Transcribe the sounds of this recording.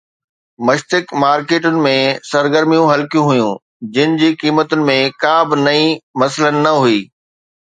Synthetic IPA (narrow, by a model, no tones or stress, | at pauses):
mɐʃt̪ɪkmaːɾkeːʈʊnɪ̆mẽsɐɾɡəɾmijũɦɐlkijũɦujũː | d͡ʑɪnɪ̆d͡ʑiːkiːmət̪ʊnɪ̆mẽkaːbɪnɐĩmɐslənɪ̆nɐɦuiː